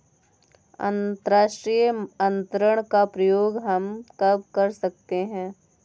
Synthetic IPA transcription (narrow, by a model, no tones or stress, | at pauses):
ɐ̰̃nt̪əɾaːʃʈɾijəɐ̃nt̪ɾəɽ̃kapɾɐjoːɡɦɐmkɐb̚kɐɾsɐk̚t̪eɦɛ̃ː